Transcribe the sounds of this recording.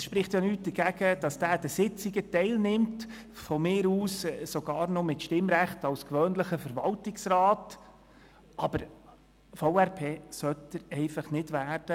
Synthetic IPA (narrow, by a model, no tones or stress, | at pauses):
ɛsʃpɾɪχt̪jɑnyːt̚d̥̪əɾɡ̥æɡ̥əd̥ɑsd̥æːd̥əsɪt͡siɡətɛɪlnɪmt | fɔmɪːɾuːssɔɡɑːɾnɔmɪtʃtɪmɾæχtɑwskʋœːnləχəfəɾʋɑltɪksɾɑːt | ʔɑb̥əɾ | foʊæɾpʰeːsœtːəɾɛɪfɑχnɪdʋæːɾd̥ə